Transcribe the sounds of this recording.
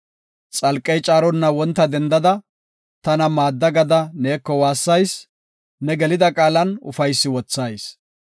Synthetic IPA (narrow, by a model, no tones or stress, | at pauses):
t͡sʼɐlkʼːɛjt͡ʃʼaːɾɔnːɐwɔnt̪ːɐd̪ɛnd̪ɐd̪ɐ | t̪ɐnɐmaːd̪ːɐɡɐd̪ɐneːkːɔwaːsːɐjs | nɛɡɛlɪd̪ɐkʼaːlɐnʊ̰fɐjsːɪwɔt͡sːɐjs